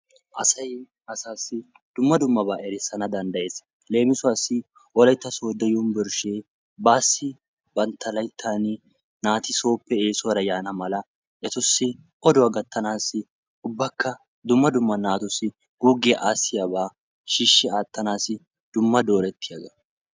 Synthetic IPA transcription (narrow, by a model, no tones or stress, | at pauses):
ʔɐsɐj | ɐsaːsːɪ | d̪̥ʊmːɐd̪ʊmːɐbaːʔɛɾɪsːɐnɐd̪ɐnd̪ɐje̞ːs | le̞ːmɪsʊwaːsːɪ | ʔɔlɐjt̪ːɐsoːd̪ɛjʊnbɪɾʃeː | baːsːɪ | bɐnt̪ʰːɐlɐjt̪ʰːaːnɪ | naːt̪ɪso̞ːpːɛeːsʊwɐɾɐjaːnɐmɐlɐ | ʔɛt̪ʊsːɪ | ʔɔd̪ʊwɐɡɐt̪ːɐnaːsːɪ | ʊbːɐkːɐ | d̪ʊmːɐd̪ʊmːɐnaːt̪ʊsɪ | ɡ̥uːɡɛʔaːsːɪjabaː | ʃiːʃːɪaːt̪ːɐnaːsɪ | d̪̥ʊmːɐd̪o̞ːɾɛt̪ʰːɪjɐzɐ